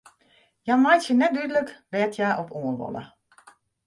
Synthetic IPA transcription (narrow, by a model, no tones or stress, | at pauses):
jamajtjənɛt̚dydələkʋɛːtʰjaːʔɔpuənʋɔ̰lə̰